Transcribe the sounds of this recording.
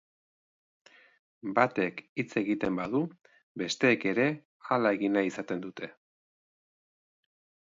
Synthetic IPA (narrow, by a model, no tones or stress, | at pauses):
bat̪e̞kit͡se̞ɣit̪e̞mbaðu | be̞st̪e̞ːke̞ɾe̞ | alae̞ɣinaisat̪e̞nd̪ut̪e̞